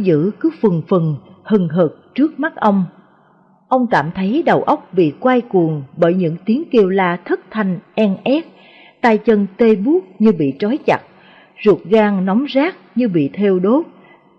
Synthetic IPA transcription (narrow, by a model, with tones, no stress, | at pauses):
zɨ̰˧˥kɨ˨˦fɨ˨˩ŋfɨ˨˩nhɨ˨˩ŋɦəː˨˩p̚t͡ɕɨ˦˥ək̚ma˦˥t̚ʔə˧wŋ͡m | ʔə˧wŋ͡mkaː˧˩mt̪ʰə˨˦jɗə˨˩wʔə˦˥wk͡p̚ɓḭ˧˨kwa˧jku˨˩əŋɓəː˧˩jɲɨ̰˧˥ŋt̪i˨˦əŋki˧əwlaː˧˩t̪ʰə˦˥t̚t̪ʰa˨˩jŋ̟ʔɛ˧ŋʔɛ˦˥t̚ | t̪aː˧jt͡ɕə˧nt̪e˧ɓu˦˥ək̚ɲɨ˧ɓḭ˧˨t͡ɕɔ˨˦jt͡ɕa̰˨˩t̚ | zu˨˩ət̚ɣaː˧ŋnɔ˨˦wŋ͡mzaː˦˥k̚ɲɨ˧ɓḭ˧˨t̪ʰɛ˧wɗo˦˥t̚